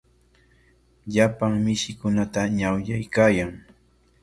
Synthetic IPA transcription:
ʎapaŋmɪʃɪkʊnat̪aɲawjajkaːjaŋ

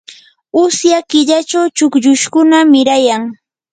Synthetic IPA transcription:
ʊsjakɪʎat͡ʃawt͡ʃʊkʎʊʃkʊnamɪɾajaŋ

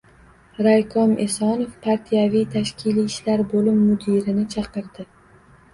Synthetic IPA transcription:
ɾajkʰɒmʔesɒnofpʰaɾt̪ʰijavijt̪ʰaʃkʲʰiliːʃlaɾbolɪmːʊd̪iɾɪnɪt͡ʃʰɑqɨɾd̪ɪ

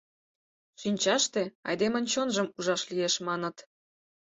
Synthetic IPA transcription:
ʃinʲt͡ɕɑʃt̪eɑ̰jd̪emə̆nʲt͡ɕonʒəmuʒɑʃlijeʃmɑnə̆t̪

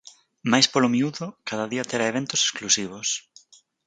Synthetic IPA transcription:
majspolomiuðʊkaðaðiɐt̪eɾaeβent̪ʊse̥sklusiβ̞ʊs

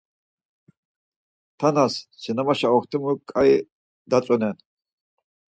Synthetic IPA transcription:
t̪ʰanassinamaʃaɔxt̪ʰimukʼai | d̪at͡sʼɔnɛn

